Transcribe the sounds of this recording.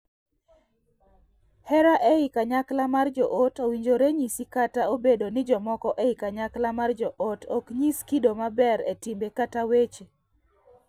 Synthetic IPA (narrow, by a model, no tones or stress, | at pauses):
hɛɾaʔeɪkaɲaklamard͡ʒɔʔotowiɲd͡ʒoɾeɲisikataobedonɪd͡ʒɔmɔkɔʔeɪkaɲaklamard͡ʒɔʔotokɲiskidomabɛɾḛtimbekatawet͡ʃe